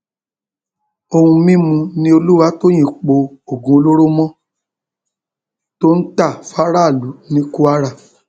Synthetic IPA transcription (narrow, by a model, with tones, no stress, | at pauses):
o˧hũ˧mĩ˦mũ˧nĩ˧˦o˧lu˦wa˦to˦j̃ĩ˦˨k͡po˧o˦˨ɡũ˧o˧lo˦ɾo˦mɔ̃˦ | to˦n̩˦ta˦˨fa˦ɾa˦˨lu˨˦nĩ˦ku˦a˧˦ɾa˦˨